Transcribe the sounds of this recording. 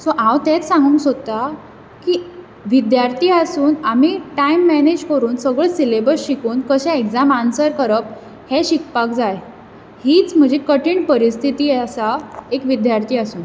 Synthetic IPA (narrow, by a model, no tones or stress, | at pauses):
sɔʔãwt̪ɛt͡ssãŋɡuːŋksot̪a | ki | ʋid̪jaɾt̪ʰiːasuːnamiʈaimːɛned͡ʑkəɾuːnsəɡɭəsilebəɾɕikuːnkəɕɛ̃ekd͡zamansəɾkəɾəp̚ | heɕikpak̚d͡zaj | hiːt͡sm̤əd͡ʑʱekəʈiːɳpəɾist̪ʰit̪iːasaekʋid̪jaɾt̪ʰiːasuːn